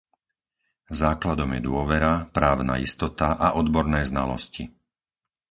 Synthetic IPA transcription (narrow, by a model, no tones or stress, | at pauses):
zaːklad̪ɔmjɛd̪ʊɔʋɛɾapɾaːʊna̰ːḭst̪ɔt̪aʔaʔɔd̪bɔɾnɛːzna̰lɔ̰sci